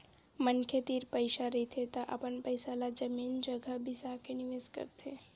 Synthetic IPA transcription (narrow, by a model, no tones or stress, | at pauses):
mənkʰet̪iːɾpəɪʃaɾəit̪ʰet̪aʔə̰pənpəɪsalad͡ʒəmiːnd͡ʒəɡʱəbʱisakenɪʋeːskə̰ɾt̪ʰe